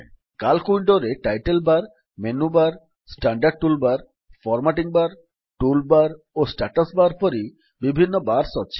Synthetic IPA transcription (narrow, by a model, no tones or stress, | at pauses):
kalkuiɳɖoɾeʈajʈelbaɾ | menubaɾ | sʈaɳɖaɾɖ̚ʈulbaɾ | fɔɾmaʈiŋbaɾ | ʈulbaɾ | osʈaʈasbaɾpɔɾi | bibʱinːobaɾsɔtːt͡ɕʰe̥